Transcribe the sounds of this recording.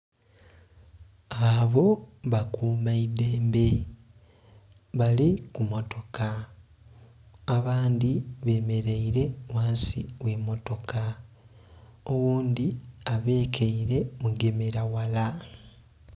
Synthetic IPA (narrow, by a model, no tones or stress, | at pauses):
aβo̞βakuːmaide̞ːmbe̞ | βalikumo̞to̞ka | βaːnd̪iβe̞ːme̞ɾeiɾe̞waːnsḭwe̞mo̞to̞ka | o̞wuːnd̪iaβe̞ːkʰeiɾe̞muɡe̞meɾawala